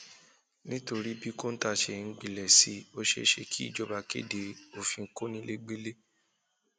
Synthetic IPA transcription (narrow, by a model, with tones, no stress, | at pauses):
nĩ˦to˧ɾi˦bi˦ko˦n̩˦ta˧ʃe˧ŋ̩˦ɡ͡bi˨lɛ˨si˨˦o˦ʃḛ˧˦ʃe˧kʰi˦ḭ˦˨d͡ʒɔ˧ba˧kḛ˦de˨o˦fi˧ŋ̩˦ko˦nĩ˧˦le˦ɡ͡be˦le˦